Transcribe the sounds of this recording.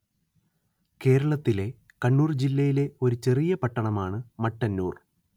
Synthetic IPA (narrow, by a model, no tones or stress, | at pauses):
ke̞ːɾɐɭɐt̪ːile̞ | kɐɳːuːrd͡ʑilːɐjile̞o̞ɾut͡ɕe̞rijɐpɐʈːɐɳɐmaːɳɨmɐʈːɐnːuːr